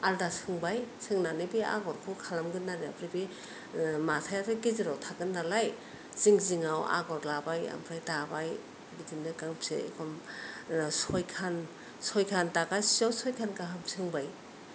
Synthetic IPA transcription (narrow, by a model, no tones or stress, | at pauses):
aldasɯŋbajsɯŋnanɯbia̰ɡɔɾkʰukʰalamɡɯnːaɾiapʰɾibi | matʰajatʰaɡiziɾawtʰaɡɯnːalaj | z̥iŋziŋawa̰ɡɔɾlabaja̰mpʰɾajtabaj | ɡidimnɯkaŋpsḛḛkʰɔm | sɔjkʰan | sɔjkʰantakasiawsɔjkʰankaɦɯmsʰɯŋbaj